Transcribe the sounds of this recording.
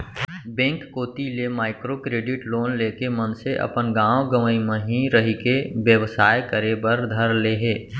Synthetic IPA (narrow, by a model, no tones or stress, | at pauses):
bɛ̃ːŋkːoːt̪ilemaːɪkɾokɾeːɖɪʈloːnleːkemə̃nseʔɐ̰pənɡãːwɡəməimə̃ɦĩɾəɦikeʋjəʋsaːjkəɾebəɾd̪ʱəɾleːɦeː